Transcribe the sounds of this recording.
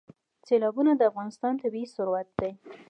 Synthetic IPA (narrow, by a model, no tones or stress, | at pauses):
selɑbunad̪əafɣɑnɪst̪ɑnt̪abii̥sʊɾwat̪̚d̪aj